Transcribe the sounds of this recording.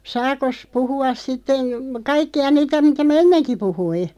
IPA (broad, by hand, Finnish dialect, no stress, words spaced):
sɑːkos puhuɑs sitːen̞ kɑikːiɑ niːtæ mitæ mæ̆ enːenki puhui